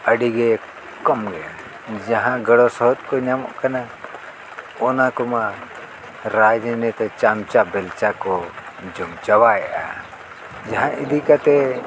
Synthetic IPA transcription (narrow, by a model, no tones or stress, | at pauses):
əɖiɡɛ | kɔmɡɛʔa | d͡ʒaɦãɡəɽɔsɔɦɔt̪̚kɔɲamɔ̰ʔkana | ɔnakɔma | ɾad͡ʒənɛt̪ɛt͡ʃamt͡ʃaʔbɛlt͡ʃakɔ | d͡ʒɔmt͡ʃawajɛʔa | d͡ʒaɦãʔid̪ikat̪ɛ